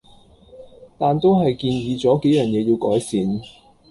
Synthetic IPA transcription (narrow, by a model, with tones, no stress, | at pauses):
t̪aː˨nt̪o˥wɦɐ˨jkiː˧njiː˧t͡sɔː˨˥ke˨˥jœː˨˩njɛː˨˧jiː˧wkɔ̰ː˨˥jsiː˨˧n